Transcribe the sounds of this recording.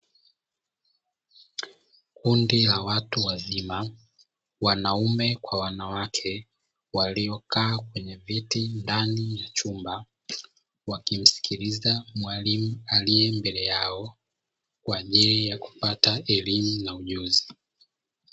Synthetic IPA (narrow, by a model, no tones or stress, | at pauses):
kundilawatuwazima | wanaumɛkwawanawakʰɛ | waliɔkaːkwɛɲɛvitindanijat͡ʃumba | wakim̩si̥kʰiɾizamwalimualijɛmbɛlɛjaɔ | kwaʄilijaku̥pataɛlimunauʄuzi